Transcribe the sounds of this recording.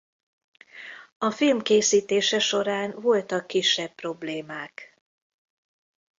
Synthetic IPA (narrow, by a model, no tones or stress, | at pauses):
ɒfilmkeːsiːt̪eːʃɛʃo̞ɾaːnvo̞lt̪ɒkːiʃːɛbpro̞bleːmaːk